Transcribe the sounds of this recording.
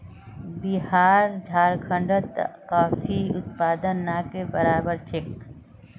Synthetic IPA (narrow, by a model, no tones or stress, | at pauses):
bɪɦaːɾd͡ʒʱaːɾkʰə̃ɳɖət̪kaːfiʊt̪paːd̪ənːaːkebəɾaːbəɾt͡ʃɪk